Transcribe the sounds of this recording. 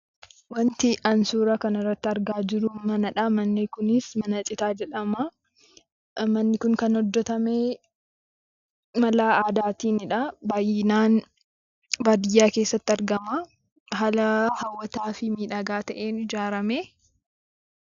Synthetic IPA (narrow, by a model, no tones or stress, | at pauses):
wɐnt̪ɪʔɐnsuːɾɐkɐnɪrːɐt̪ːɪɐɾɡaːd͡ʒɪɾʊmɐnɐᶑɐmɐnːɪkʊnɪsmɐnɐt͡ʃʼɪt̪aːd͡ʒɛᶑɐmɐ | mɐnːɪkʊŋkɐnhɔd̪ːɔt̪ɐmeː | mɐlaːaːd̪aːt̪iːnɪᶑɐbaːjnaːn | baːd̪ɪjːaːke̞ːsːɐt̪ːɪɐɾɡɐma | ɦɐlɐhɐwːɐt̪aːfɪmiːᶑaɡaːt̪ɐʔeːnɪd͡ʒaːɾɐmeː